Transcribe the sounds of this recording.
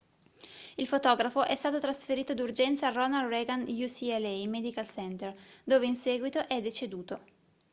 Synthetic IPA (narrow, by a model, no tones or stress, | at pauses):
ilfot̪ɔːɡɾafoʔɛst̪aːt̪ot̪ɾasfeɾiːt̪od̪urd͡ʒɛnt̪saːrɔnalreɡanjusiɛlɛjmɛd̪ikalsɛnt̪erd̪oːveinsɛːɡwit̪oʔɛd̪et͡ʃed̪uːt̪o